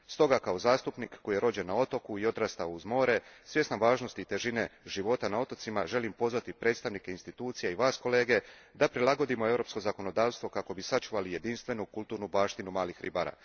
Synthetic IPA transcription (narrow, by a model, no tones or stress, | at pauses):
st̪o̞ɡakao̞zaːst̪upnikkːojeɾo̞d͡ʑe̞nːao̞t̪o̞kuio̞d̪ɾast̪auzmo̞ːɾe̞sʋje̞snamʋaːʒno̞st̪iːt̪e̞ʒine̞ʒiʋo̞t̪anao̞t̪o̞t̪simaʒe̞limpo̞zʋat̪ipɾe̞ːt̪st̪aʋnikeinst̪it̪uːt̪sijeiʋaːsko̞le̞ːɡe̞ | d̪apɾilˠaɡo̞d̪imo̞e̞vɾo̞ːpsko̞zako̞no̞d̪aːʋst̪ʋo̞kako̞bisat͡ʃuʋalije̞d̪inst̪ʋe̞nukulˠt̪uːɾnubaːʃt̪inumaːlixɾḭbaɾa̰ː